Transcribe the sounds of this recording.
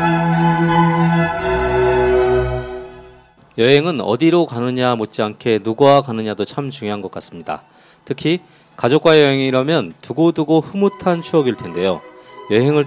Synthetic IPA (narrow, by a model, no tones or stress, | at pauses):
jʌɦe̞ŋɯnʌ̰diɾokanɯɲamot̚t͡ɕ͈iankʰe̞nuɡuakanɯɲadot͡ɕʰamt͡ɕuŋjoɦanɡʌk͈as͈ɯmɲida̰ | tʰɯkʰi | kad͡ʑok̚k͈wajʌɦeŋiɾamjʌntuɡoduɡoɸɯmutʰant͡ɕʰuʌɡiɭtʰe̞nde̞jojʌɦe̞ŋɯɭ